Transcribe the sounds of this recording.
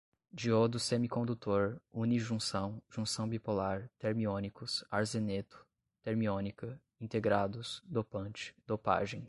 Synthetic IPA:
d͡ʒiod̪ʊsẽmikõnd̪ut̪oɾuniʒũsɐ̃w̃ʒũsɐ̃w̃bipolaɾt̪eɾmiõnikʊsaɾzenet̪ʊ̥ | t̪eɾmiõnikɐ | ĩnt̪eɡɾad̪ʊsd̪opɐ̃nt͡ʃɪ̥d̪opa̰ʒẽj̃

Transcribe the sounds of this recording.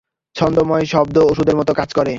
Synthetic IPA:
t͡ɕʰɔnd̪omɔeʃɔb̚d̪ooʃud̪eɾmɔt̪okad͡ʑkɔɾe

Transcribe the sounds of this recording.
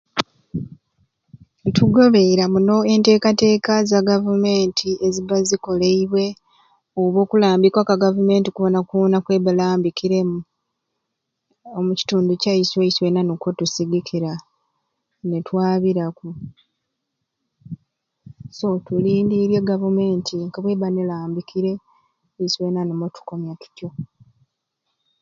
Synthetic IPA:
tʰuɡo̞βe̞ɾamuno̞e̞nte̞ːkate̞ːkazaɡavume̞ːntʰiʔe̞ziβaziko̞le̞iβwe̞ | oβo̞ːkulaːmbikwakaɡavume̞ːntikuβo̞nakuβonakwe̞ːβalaːmbikʰiɾe̞mu | omuci̥tuːnducaisweiswe̞nanokotusiɡikʰiɾa | netwaːβiɾaku | so̞tuliːndiɾjeɡavume̞ːntʰiŋɡaβwe̞ːβanelaːmbikʰiɾe̞ | iswe̞nanemotu̥ko̞mjatu̥tjo̞

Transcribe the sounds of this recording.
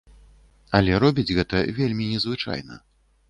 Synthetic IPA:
ɐlʲɛɾɔbʲid͡zʲɣɛt̪ɐvʲelʲmʲinʲɛzvɨt͡ʂa̰jnɐ̰

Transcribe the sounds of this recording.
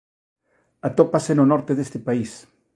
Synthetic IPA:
at̪opasenonoɾt̪eðest̪epais

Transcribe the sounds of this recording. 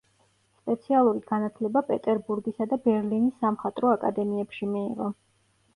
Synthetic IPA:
spʼɛt̪sʰialˠuɾiɡ̥anat̪ʰlɛbapʼɛt̪ʼɛɾbuɾɡisad̪abɛɾlinisːamχat̪ʼɾɔakʼa̰d̪ɛmiɛpʃimḭːʁɔ

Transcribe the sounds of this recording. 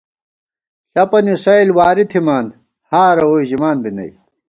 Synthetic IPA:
ɐpɐnisɐilwaːɾit̪ʰimaːn | haːɾɐwoiʑimaːnbinɐ̰j

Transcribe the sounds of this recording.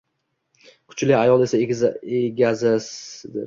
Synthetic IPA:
kʰʊ̥t͡ʃlɪajɒlˠe̞saeeɡʲazɪsd̪ɪ̰ɾ

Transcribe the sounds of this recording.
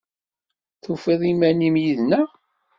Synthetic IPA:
θufeðˤimænimjiðnæ

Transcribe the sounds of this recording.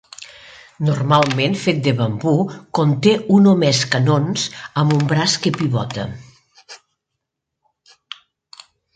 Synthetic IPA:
nurmalˠmenfet̪̚d̪əβambukont̪eunomɛskanonzəmumbɾaskepiβɔ̰t̪ə̰

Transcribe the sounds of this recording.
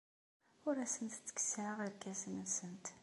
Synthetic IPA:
ʊɾæsənt̪t͡sːə̥kːə̥səʕəʁəɾkːæsənəsənt̪

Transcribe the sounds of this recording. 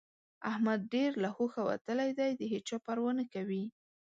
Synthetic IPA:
ahmad̪̚ɖeɾlahoxawa̰t̪əlajd̪ajd̪əɦet͡ʃopaɾwənəkawi

